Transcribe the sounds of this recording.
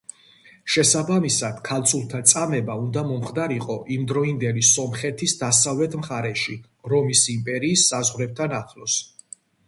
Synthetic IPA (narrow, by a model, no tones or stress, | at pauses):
ʃɛsabamisad̪̥kʰalt̪sʰulˠt̪ʰat̪sʼamɛbaund̪amɔmχd̪aɾiqʼɔʔimd̪ɾɔind̪ɛlisɔmχɛt̪ʰisd̪asavlɛt̪ʰmχaɾɛʃi | ɾɔmisimpʼɛɾiːsːazʁɾɛb̚t̪ʰanaχʰlɔs